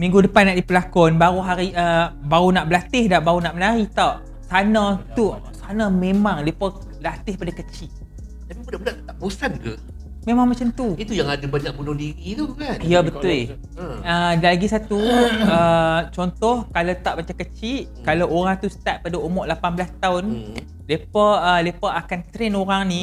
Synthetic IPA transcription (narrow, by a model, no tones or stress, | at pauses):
mĩŋɡudəpanːaʔdipəlakɔnbaɾuɦaɾiʔəbaɾunaʔbəlat̪ɪhdaʔbaɣunaʔmənaɾit̪aʔ | sanãt̪u | sanãmemaŋlipə | lat̪ɪhpadakət͡ʃiʔ̚ | t̪apibudahbunaʔ̪t̪aʔbusanka | memãŋmat͡ʃamt̪uit̪ujaŋadabaɲak̚bunɔhdiɾit̪ukanijabət̪ʊl | ədalaɡisat̪uət͡ʃɔnt̪ɔhkalat̪aʔbat͡ʃakət͡ʃiʔ | kalawʔoɾaŋt̪ust̪at̪̚padaumɔʔlapanbəlast̪aʊn | lepəəlepəʔakant̪ɾɛnoɾaŋni